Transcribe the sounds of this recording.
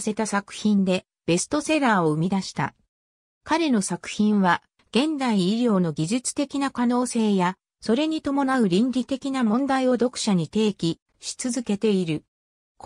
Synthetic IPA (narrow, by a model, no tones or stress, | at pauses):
se̞t̪asakɯ̟̥çĩnd̪e̞ | b̥e̞sɨ̥t̪o̞se̞ɾaːoɯ̟mʲid̪aɕi̥t̪a̰ | kaɾe̞no̞sakɯ̟̥çĩɰ̃βa | ɡ̥ẽ̞nd̪aiːɾʲjo̞ːno̞ɡʲiʑit͡sɨ̥t̪e̞kʲinakano̞ːse̞ːja | so̞ɾe̞ɲ̟it̪o̞mo̞naɯ̟ɾʲĩnɾʲit̪e̞kʲinamõ̞nd̪aio̞d̪o̞kɯ̟̥ɕaɲ̟it̪e̞ːkʲi | ɕi̥t͡sɨzɨke̞t̪e̞iɾɯ̟ | k